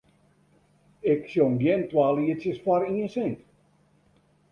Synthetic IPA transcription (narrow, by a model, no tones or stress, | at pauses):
ɪksjonɡjɪntwaːliəsjəsfaɾiənsɪnt